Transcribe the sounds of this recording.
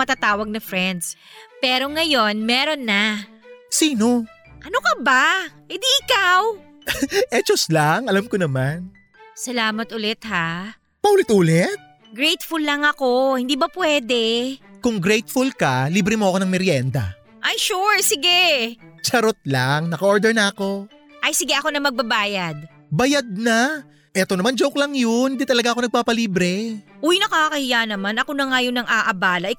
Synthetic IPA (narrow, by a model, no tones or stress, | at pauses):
mɐt̪at̪aːwɐɡ̚nɐfɾɛnd̪spɛːɾo̞ŋɐjo̞nmɛːɾo̞nːa | siːno | ʔɐnokɐbahɪd̪iːʔɪkaw | ʔɛt͡ʃoslaŋɐlamkonɐman | sɐlaːmɐt̪ʊlɛt̪̚ha | pɐʔuːlɛt̪̚ʔuːlɛt̪̚ | ɡɾɛjt̪fulːɐŋɐko̞hɪnd̪iːbɐpwɛːd̪ɛkʊŋɡɾɛjt̪fulkɐliːbɾɪmoʔɐko̞nɐŋmɛɾjɛnd̪ɐ̰ | ʔɐjʃuɹsɪɡɛt͡ʃɐɾot̪̚laŋnɐkɐʔoɹd̪ɛɹnɐɐko̞ | ʔɐjsɪɡɛʔɐko̞nɐmɐɡ̚bɐbaːjɐd̪̚ | bɐjad̪̚na | ʔɛːt̪o̞nɐmand͡ʒowklɐŋjonɪd̪it̪ɐlɐɡaʔɐko̞nɐɡ̚paːpɐliːbɾɛʔojnɐkakɐhɪjanɐmanɐko̞nɐŋajonɐŋʔaːʔɐbaːlɐʔɪ